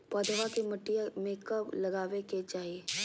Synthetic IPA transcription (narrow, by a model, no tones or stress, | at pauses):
pɔːd̪ʱʋakemɐʈːijamẽkɐblɐɡaːʋeket͡ʃaːɦieː